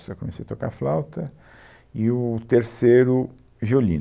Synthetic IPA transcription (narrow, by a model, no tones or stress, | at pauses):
sekõmesejat̪oka̰flawt̪ɐ | ɪʊt̪eɾseɾʊ | ʒiolĩ